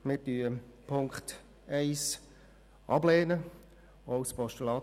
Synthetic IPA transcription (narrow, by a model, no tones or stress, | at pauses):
mɪɾtyːəpʰʊŋkχt | ɛɪs | ʔɑbleːnə | oʊspɔʃtəlɑː